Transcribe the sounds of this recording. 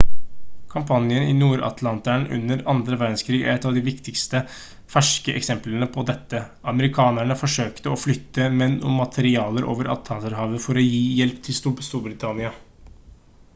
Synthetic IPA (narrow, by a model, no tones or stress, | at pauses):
kʰɑmpʰɑnjənɪ̰nuːɾɑ̰t̪ʰlɑnt̪æɳʔʉ̰nːəɾɑnd̪ɾəʋæɾd̪n̩skʰɾiːɡæ̰ɾɛt̪ːɑʋd̪ɪʋɪkt̪ɪkst̪ə | fæʂkəʔɛ̰ksɛmplənəpʰɔd̪ɛt̪ːə | ɑməɾɪkʰɑːnæɳəfɔʂøːkt̪əɔflʏt̪ːəmɛnʔʊmːɑt̪ʰəɾɪɑːləɾʔo̰ːʋəɾʔɑ̰t̪ʰɑnsəɾɦɑːʋəfɔɾɔjiːjɛlpt̪ʰɪlst̪uːbst̪uːɾbɾɪt̪ʰɑnɪɑ